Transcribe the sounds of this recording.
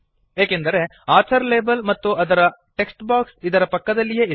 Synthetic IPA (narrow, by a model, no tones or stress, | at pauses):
eːkend̪ɐɾe̞ | aːt͡ʃɐɾle̞ːbɐlmɐt̪ːuɐd̪ɐɾɐʈe̞ksʈbaːksid̪ɐɾɐpɐkːɐd̪ɐlːije